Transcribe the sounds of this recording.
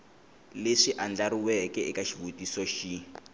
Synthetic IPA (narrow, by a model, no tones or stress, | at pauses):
leʂiʔand͡ɮaɾiwɛkɛikaʃivutisɔʃi